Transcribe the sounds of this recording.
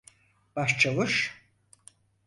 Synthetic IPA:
b̥aʃt͡ʃʰalˠuʃ

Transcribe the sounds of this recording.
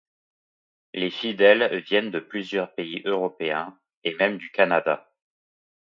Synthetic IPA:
lefid̪ɛlvjɛnd̪əplyzjœʁpeiʔøʁɔpeɛ̃ | emɛmd̪ykanad̪a

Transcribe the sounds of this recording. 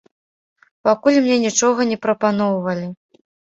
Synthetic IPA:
pakulʲmnʲɛnʲit͡ʂɔɣɐnʲɛpɾɐpanɔwvɐlʲi

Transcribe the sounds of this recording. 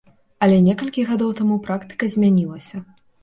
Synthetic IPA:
ɐlʲɛnʲɛkɐlʲkʲiɣad̪ɔwt̪amupɾakt̪ɨ̥kɐzʲmʲanʲilˠɐsʲɐ

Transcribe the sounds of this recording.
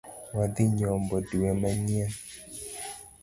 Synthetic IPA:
wadiɲɔmbɔduwɛmaɲɛn

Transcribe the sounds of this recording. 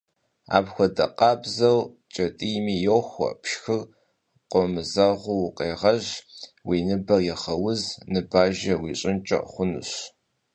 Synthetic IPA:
a̰ːbxʷɔdɐ̰qʼɑːbzɐw | t͡ʃʼɐtʼimiːjowxʷɔ̰pʰʃxɨr | qʷʼɔmɨzaʁʷʊwʊqʼeːʁɐʑwiːnɨbɐjɛχɐwʊznɨbaːʒɐwiːɕʼɪnt͡ʃʼɐ̰χʷʊnṵɕ

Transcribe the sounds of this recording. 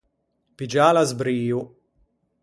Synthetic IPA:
pid͡ʒaːlazbɾiːu

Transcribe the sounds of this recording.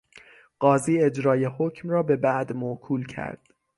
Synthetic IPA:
ɢ̥ɒːziːe̞d͡ʒɾɒːjehocʰmrɒːbe̞bæʔd̪mokʰuːlcʰæ̰ɾd̪̥

